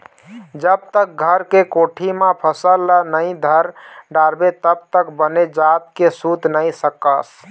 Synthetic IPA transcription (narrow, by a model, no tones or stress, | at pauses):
d͡ʒəb̚t̪ək̚ɡʱəɾkekoʈʰimẽpʰəsəlːənəɪd̪ʱəɾɖaɾbet̪əb̚t̪əkbəned͡ʒat̪̚kesut̪nəɪsəkəs